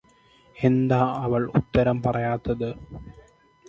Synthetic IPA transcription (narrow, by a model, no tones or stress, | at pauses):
end̪aːɐʋɐɭṵt̪ːɐɾɐmpɐrɐjaːt̪ːɐðɨ